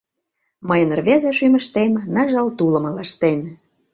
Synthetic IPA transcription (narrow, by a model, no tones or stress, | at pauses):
məjə̆nrβʲæzeʃymə̆ʃt̪emnɑʒɑlt̪ulɤ̆mɤ̆lɑʃt̪em